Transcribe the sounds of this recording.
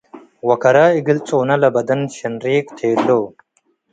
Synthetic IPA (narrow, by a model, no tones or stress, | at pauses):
wɐkɐɾaːiɡilt͡sʼoːnɐlɐbɐd̪ɐnɕɐnɾeːkt̪ʰeːloː